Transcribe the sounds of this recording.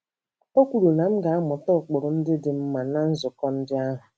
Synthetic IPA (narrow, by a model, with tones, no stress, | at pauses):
o˦kʷu˨ɾu˨na˨m̩˦ɡa˨a˦mʊ˨tɔ˦˨k͡pʊ˨ɾʊ˨n̩˦dɪ˦dɪ˨m̩˦ma˨na˦n̩˦zʊ˨kɔ˦n̩˦dɪ˦a˦ɦʊ˨